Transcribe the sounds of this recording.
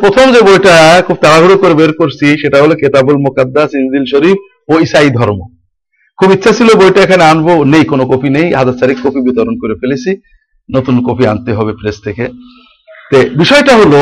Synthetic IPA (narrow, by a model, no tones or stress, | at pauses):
pɾot̪ʰomd͡ʑebojʈakʰub̚t̪aɾaɦuɽokoɾebeɾkoɾsʰiʃeʈaɦoloket̪abulmokad̪ːasinzilʃoɾif | oisaid̪ʱɔɾmo | kʰubitːɕʰasʰilobojʈaekʰaneanbonejkonokopʰinejɦad͡ʑaɾt̪aɾikːopʰibit̪oɾonkoɾefelet͡ɕʰi | not̪unkopʰia̰nt̪eɦɔbepɾest̪ʰeke | t̪ebiʃɔeʈaɦolo